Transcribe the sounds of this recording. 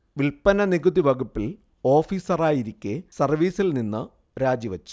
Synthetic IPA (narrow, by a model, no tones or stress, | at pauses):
ʋilpɐnɐniɡuðiʋɐɡupːil | o̞ːfiːsɐraːjiɾikʲːesɐrʋiːsilninːɨ | ɾaːd͡ʑiʋɐt͡ɕːu̥